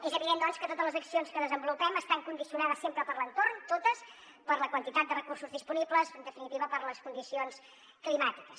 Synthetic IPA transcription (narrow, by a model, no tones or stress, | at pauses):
ezəβiðend̪ɔnskət̪ot̪əzlˠəzəksionskəðəzəmbulupɛməst̪aŋkund̪isiunaðəsːempɾəpəɾlənt̪ornt̪ot̪əs | pəɾləkwənt̪it̪at̪̚d̪ərəkursuzðispunibləzənd̪əfinit̪iβəpəɾləskund̪isions | klimat̪ikəs